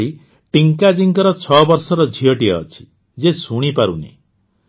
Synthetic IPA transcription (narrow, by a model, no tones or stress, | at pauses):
i | ʈiŋkad͡ʒiŋkɔɾɔt͡ʃʰɔbɔɾsɔɾɔd͡ʒʱiɔʈiaːt͡ʃʰi̥ | d͡ʒesuɽ̃ipaɾṵnḛ